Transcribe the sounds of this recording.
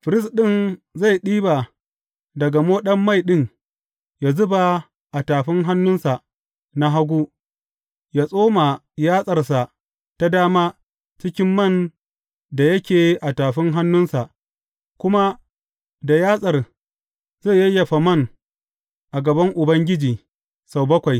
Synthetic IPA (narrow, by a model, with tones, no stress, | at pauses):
ɸɪ˨ɾɪ˦sɗɪ˦˨nza˦˨jɗiː˦ba˨ | dɐ˨ɡa˨moː˦ɗɐ˦mːa˦˨jɗɪ˦ŋ | ja˨zʊ˦ba˨ | ʔa˨taː˨ɸɪ˦ŋɦa˦nːʊ˦nsa˨ʔ | na˦ɦa˦ɡʷuː˦ | ja˦˨sʼoː˦ma˨ | jaː˦sʼɐ˨rsa˨ʔ | ta˦daː˦maː˦ | t͡ʃɪ˦kʲɪ˦mːɐ˦˨n | da˨jɐ˦kʲeː˨ʔa˨taː˨ɸɪ˦ŋɦa˦nːʊ˦nsa˨ʔ | kʷʊ˦ma˦ | da˨jaː˦sʼɐ˨r | ze˦˨jɐ˦jːɐ˨ɸa˨mɐ˦˨ŋ | ʔa˨ɡɐ˨bɐ˦ŋʔʊ˨bɐ˦ŋɡʲɪ˦d͡ʒiː˨ | sa˨wbɐ˦kʷa˨j